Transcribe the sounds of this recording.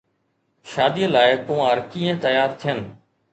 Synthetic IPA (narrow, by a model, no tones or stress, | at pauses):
ʃaːd̪iəlaːɪkõːəɾkiːə̃t̪ɐjaːɾt̪ʰijənɪ̆